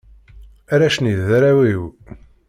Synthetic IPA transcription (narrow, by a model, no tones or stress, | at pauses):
æɾæʃniðæɾæwiw